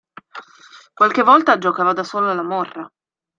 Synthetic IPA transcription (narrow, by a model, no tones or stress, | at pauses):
kwalkevːɔlt̪ad͡ʒokaːvad̪asoːlalamɔrːa